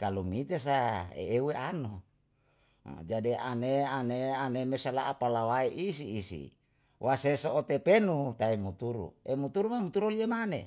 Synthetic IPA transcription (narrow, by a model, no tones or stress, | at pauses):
kalumit̪es̬aḛeueʔano | d͡ʒadia̰neaneanemesala̰ʔapalawaiʔisiːsḭ | wʔasesoʔot̪epenut̪aimut̪uɾṵemut̪uɾumamut̪uɾuliemane